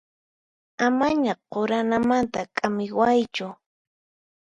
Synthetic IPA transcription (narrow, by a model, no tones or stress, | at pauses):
amaɲaqoɾanamant̪akʼamɪwajt͡ʃʊ